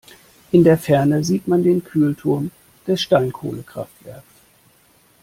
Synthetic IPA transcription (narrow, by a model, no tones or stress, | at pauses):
ʔɪndeːɐfɛɐnəziːtmandeːnkʰyːltʰʊɐm | d̥ɛsʃtaɪnkʰo̰ːləkʁ̥a̰ftv̥ɛ̰ɐks